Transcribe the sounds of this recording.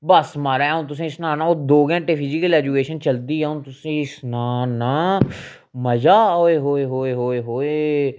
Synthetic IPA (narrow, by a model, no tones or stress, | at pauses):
bəsmaːɾaɛʊ̃t̪ʊs̬ĩːɪsnãːnãːoːd̪oːɡɛ̃ːʈeːpʰiːd͡ʒikəlɛːd͡ʒukeːʃənt͡ʃəld̪iːɛːʊnt̪ʊsĩːɪsnaːnaː | məd͡ʒaːɦɦoːeːɦoːeɦoːeːɦoːeːɦoːeː